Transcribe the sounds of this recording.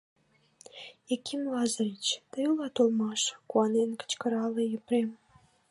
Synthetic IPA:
ekimlɑzəɾit͡ɕt̪əjulɑt̪olmɑʃkuɑnenkə̥t͡ɕkəɾɑlejəpɾem

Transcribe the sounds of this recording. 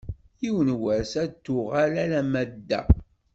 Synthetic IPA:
iwənwəɾsæt̪ːʊʁalælæmæd̪ːæ̰

